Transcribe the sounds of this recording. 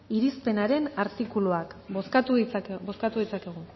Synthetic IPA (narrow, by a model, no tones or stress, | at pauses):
iɾispe̞naɾe̞naɾt̪ikuluakoskat̪ubo̞skat̪uðit͡sakeɣ̞u